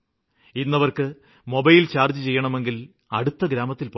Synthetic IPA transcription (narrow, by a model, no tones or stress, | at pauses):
inːɐʋɐrkɨ | mo̞bɐjilt͡ɕaːrd͡ʑɨt͡ɕe̞jːɐɳɐme̞ŋɡil | ɐɽut̪ːɐɡɾaːmɐt̪ːilpo